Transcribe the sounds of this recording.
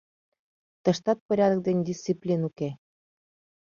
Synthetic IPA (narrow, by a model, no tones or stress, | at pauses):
t̪ə̆ʃt̪ɑt̪̚pəɾʲɑd̪ək̚d̪enʲd̪ʲist͡siplʲinuke